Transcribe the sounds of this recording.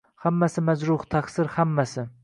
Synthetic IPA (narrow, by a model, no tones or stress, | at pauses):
hamːasɪmazɾʊht̪ʰaksɪɾhamːasɪ